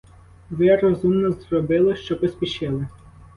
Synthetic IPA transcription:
ʋɪɾɔzumnɔzrɔbɪlˠɪʃt͡ʃɔpɔsʲpʲiʃɪlˠɪ

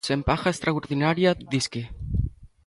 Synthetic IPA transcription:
sempaxaest̪ɾauɾðinaɾjad̪iske

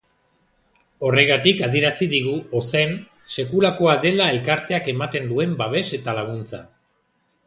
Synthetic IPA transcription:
o̞re̞ɣ̞at̪ikað̞ie̞ɾasiðiɣ̞uose̞n | se̞kulako̞aðe̞lae̞lkaɾt̪e̞ake̞mat̪e̞nd̪ue̞mbaβ̞e̞se̞t̪alaɣ̞unt͡sa

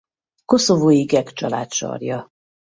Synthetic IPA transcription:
ko̞so̞voːjiɡɛkt͡ʃɒla̰ːt̪ʃɒ̰rjɒ

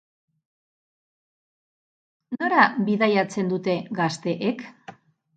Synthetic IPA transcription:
no̞ɾabiðajat͡se̞nd̪ut̪e̞ɡast̪e̞ʔek

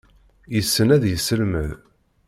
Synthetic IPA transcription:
jəsːənæðjəsːəlməð

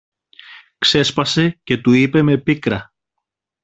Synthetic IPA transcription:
kse̞spɐse̞ce̞t̪uipe̞me̞pikɾɐ

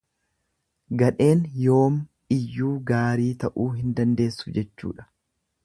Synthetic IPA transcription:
ɡɐᶑe̞ːnjo̞ːm | ɪjːuːɡaːɾiːt̪ɐʔuːɦɪnd̪ɐnd̪e̞ːsːʊ̥d͡ʒɛt͡ʃːṵːᶑɐ̥

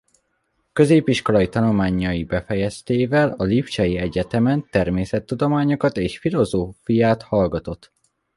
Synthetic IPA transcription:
kø̞zeːpiʃko̞lɒjit̪ɒnulmaːɲːɒjibɛfɛjɛst̪eːvɛlɒlipt͡ʃɒjiɛɟɛt̪ɛmɛnt̪ɛrmeːsɛt̪ːud̪o̞maːɲo̞kɒt̪eːʃfilo̞zoːfijaːt̪hɒlɡɒt̪o̞t̪ː

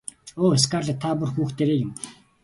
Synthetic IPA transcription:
oːes̬kaːrɮə̆t̪ʰapurxuːxt̪eːɾeːjɪ̆m

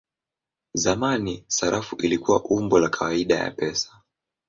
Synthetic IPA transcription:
zamanisaɾʔafuʔilikuwaʔumbɔlakʰawaiɗaja̰pɛsḁ

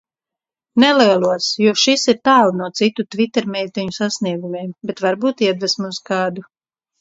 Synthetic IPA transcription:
nɛliɛlˠuɔsjuɔʃisiɾt̪aːlˠnuɔt̪sit̪ut̪vit̪ːɛɾmʲɛjt̪ɛɲusasniɛɡumiɛmbet̪vaɾbuːt̪iɛd̪vɛsmuskɑːd̪u

